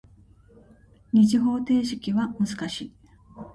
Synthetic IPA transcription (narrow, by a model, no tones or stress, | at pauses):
ɲ̟iʑiɦo̞ːt̪e̞ːɕi̥kʲiβamɯ̟zɨkaɕiː